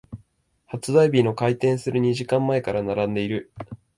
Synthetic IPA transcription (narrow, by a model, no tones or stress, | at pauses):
hat͡sɨd̪aibʲino̞kait̪ẽ̞ɰ̃sɨɾɯ̟ɲ̟iʑikãmːae̞kaɾanaɾãnd̪e̞iɾɯ̟